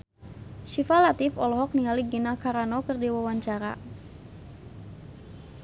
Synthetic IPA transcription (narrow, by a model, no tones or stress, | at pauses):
ʃifalat̪ɪfɔlɔɦɔk̚niŋaliɡinakaɾanɔkərdiwəwaɲt͡ʃaɾa̰